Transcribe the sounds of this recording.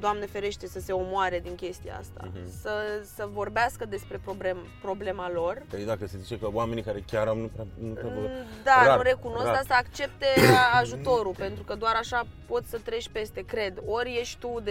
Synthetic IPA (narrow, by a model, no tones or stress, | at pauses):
d̪oamnefe̞ɾe̞ʃt̪e̞səse̞o̞moaɾe̞d̪iŋkʲe̞st̪ija̰a̰st̪a̰səsəvo̞rbeaskəd̪e̞spɾe̞pɾo̞blem | pɾo̞ble̞malo̞rkəed̪akəse̞zit͡ʃe̞kəwame̞nikaɾe̞kʲaɾamnupɾanuɾd̪anuɾe̞kuno̞skkasəakt͡ʃe̞p̚t̪e̞aʒut̪o̞ɾupe̞nt̪ɾukəd̪oaɾaʃa | po̞t̪ʲsət̪ɾe̞t͡ʃʲpe̞st̪e̞kɾe̞d̪o̞ɾʲje̞ʃt̪ud̪